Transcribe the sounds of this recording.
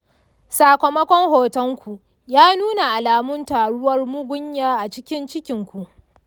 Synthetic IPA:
saː˨kʷɐ˨mɐ˦kʷɔ˦ŋhoː˨tɔ˦ŋkʷu˨ | jaː˦nuː˦na˨ʔa˨laː˨mʊ˦ntaː˨ɽʊ˦wɐ˦rmʊ˦ɡʷʊ˦ɲjaː˦ʔa˨t͡ʃɪ˦kʲɪ˦nt͡ʃɪ˦kʲɪ˨ŋkʷu˨ʔ

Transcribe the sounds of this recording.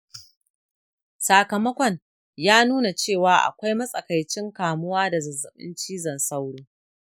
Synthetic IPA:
saː˨kɐ˨mɐ˦kʷɔ˨ɲ | jaː˦nuː˦na˨t͡ʃeː˦˨waː˨ʔa̰˨kʷa˦jmɐ˦sʼɐ˨ka˨jt͡ʃɪ˦ŋkaː˨mʊ˦waː˦da˨zɐ˨zːɐ˨ɓɪ̰˦nt͡ʃiː˦zɐ˨nsa˦wɽuː˦

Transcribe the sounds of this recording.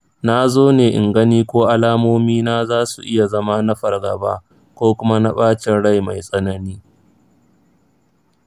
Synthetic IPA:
na˦zoː˦neː˨ʔɪ̰˨ŋɡɐ˦niː˦kʷoː˦ʔa˦laː˦moː˦miː˦naː˦zaː˦su˨ʔɪ˦ja˨zɐ˦ma˦nɐ˦ɸɐ˨rɡɐ̰˨ba̰ː˦ʔ | kʷoː˦kʷʊ˦ma˦na˦ɓaː˦t͡ʃɪ˨nɽa˦jma˨jsʼɐ˦nɐ˦niː˦

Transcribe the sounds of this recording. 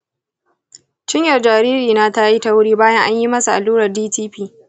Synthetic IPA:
t͡ʃɪ˦ɲjɐ˨rd͡ʒaː˨ɾiː˦ɾiː˨na˦ta˦ji˦ta˦wʊ˦ɽiː˦baː˦jɐ˦ŋʔa˦ɲji˦mɐ˦su˨ʔa˨luː˦ɽɐ˨rdiː˦tiː˦ɸiː˦

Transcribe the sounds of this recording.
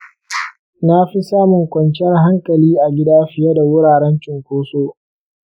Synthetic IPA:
na˦ɸi˦saː˦mʊ˨ŋkʷɐ˨nt͡ʃɛ˦rɦa˦ŋkʼɐ˨liː˦ʔa˨ɡʲɪ˦daː˦ɸɪ˨jɛ˦da˨wʊ˦ɾaː˨ɾɛ˦nt͡ʃɪ˨ŋkʷoː˦soː˦ʔ

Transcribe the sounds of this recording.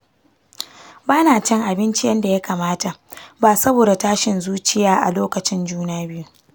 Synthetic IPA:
baː˦naː˨t͡ʃɪ˦ŋʔa˨bɪ˦nt͡ʃɪ˦jɐ˦nda˨ja˦kaː˨maː˦ta˨baː˨sɐ˦boː˨da˨taː˦ʃɪ˨nzuː˦t͡ʃɪ˦jaː˦ʔa̰˨loː˦kɐ˨t͡ʃɪ˦nd͡ʒuː˦naː˦bɪ˦ju˦

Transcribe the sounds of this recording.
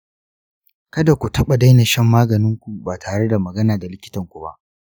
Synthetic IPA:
kɐ˦da˨kʷu˨tɐ˦ɓa˨da˦jna˨ʃɛ˦mːaː˦ɡɐ˨nɪ˦ŋkʷu˨baː˨tʰaː˨ɽe˦da˨mɐ˨ɡɐ˦naː˨da˨lɪ˦kʲɪ˦tɐ˨ŋkʷu˨ba̰˦ʔ

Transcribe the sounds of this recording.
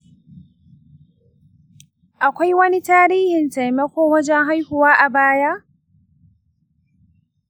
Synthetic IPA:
ʔa˨kʷa˦jwɐ˦ni˦taː˦ɾiː˦hɪ˨nta˨jmɐ˦kʷoː˦wɐ˦d͡ʒɛ˦ŋɦa˦jhʊ˨waː˦ʔa˨baː˦ja˦ʔ

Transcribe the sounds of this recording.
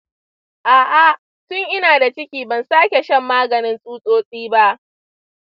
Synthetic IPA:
ʔaː˨ʔa˦ʔ | tʊ˦ŋʔɪ˦naː˨da˨t͡ʃɪ˦kʲiː˨bɐ˨nsaː˦kʲe˨ʃɐ˦˨mːaː˦ɡɐ˨nɪ˦nsʼuː˦sʼoː˦sʼiː˦ba˦ʔ

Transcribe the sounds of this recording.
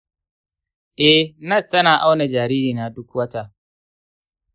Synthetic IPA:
ʔɛ˦nɐ˦˨stɐ˦naː˨ʔa˦wne˨d͡ʒaː˨ɾiː˦ɾiː˨naː˨dʊ˦kwɐ˦ta˦˨

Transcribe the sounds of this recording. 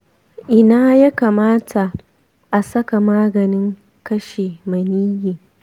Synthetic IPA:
ʔɪ˨naː˦ja˦kaː˨maː˦tʰa˨ | ʔa˨sɐ˦ka˨maː˦ɡɐ˨nɪ˦ŋ | kɐ˦ʃeː˨mɐ˨niː˦jeː˨

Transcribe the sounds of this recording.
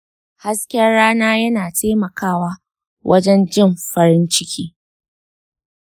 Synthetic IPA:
ha˦skʲɐ˦nɽaː˦naː˦jɐ˦naː˨tʰeː˦mɐ˨kʰaː˦˨waː˦ | wʔɐ̰˦d͡ʒɛ˦nd͡ʒɪ˦˨mɸɐ˦ɾɪ˦nt͡ʃɪ˦kʲʰiː˦

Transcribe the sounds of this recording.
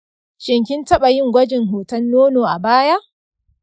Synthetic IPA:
t͡ʃɪ˨ŋkʲɪ˦ntɐ˦ɓa˨jɪ˦ŋɡʷɐ˦d͡ʒɪ˨ŋɦoː˨tɐ˦nːoː˦noː˨ʔa˨baː˦ja˦ʔ

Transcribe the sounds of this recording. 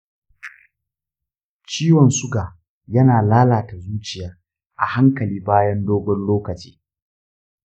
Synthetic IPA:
t͡ʃiː˦wɔ˨nsʊ˦ɡaː˨ | jɐ˦naː˨laː˦laː˨ta˨zuː˦t͡ʃɪ˨jaː˨ | ʔa̰˨ha˦ŋkɐ˨liː˦baː˦jɐ˦ndoː˦ɡʷɔ˦nloː˦kɐ˨t͡ʃi̥̰ː˦

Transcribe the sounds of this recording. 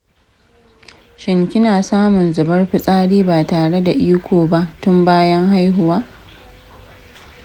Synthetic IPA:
ʃɪ˨ŋkʲɪ˦naː˨saː˦mʊ˨nzʊ˨bɐ˦rɸɪ˦sʼaː˦ɽiː˦baː˨taː˨ɽe˦da˨ʔiː˦kʷoː˨ba˦ʔtʊ˦mbaː˦jɐ˦ŋɦa˦jɦʊ˦waː˦

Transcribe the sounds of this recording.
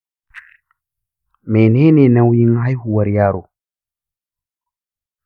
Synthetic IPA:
me˨neː˦ne˨na˨wji˦ŋɦa˦jhu˨wa˨ɾija˦ɾo˨

